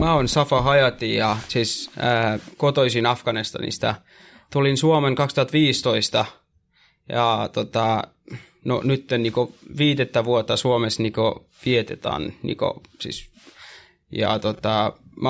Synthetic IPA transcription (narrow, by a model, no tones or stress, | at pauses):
mæːonsɑfɑhɑjɑt̪ijɑsiːsəːkot̪oisinɑfkɑnist̪ɑ̰nḭsi̥t̪æ̰ | t̪ulinsuomeŋkɑkst̪uhɑt̪ʋiːst̪oist̪ɑ | jɑt̪ot̪ɑ | no̰nyt̪ːenniːkoʋiːd̪et̪ːæʋuot̪ːɑsuomesniko | ʋiet̪et̪ɑ̰ːnnḭko̰sḭːs | jɑ̰t̪ot̪ɑm